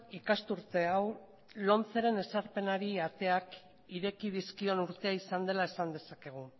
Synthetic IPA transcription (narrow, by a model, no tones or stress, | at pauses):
ikast̪uɾt̪e̞aw | lo̞nt͡seɾe̞ne̞saɾpe̞naɾiat̪e̞ak | iɾe̞kiðiskio̞nuɾt̪e̞aisand̪e̞laesand̪e̞sake̞ɣ̞u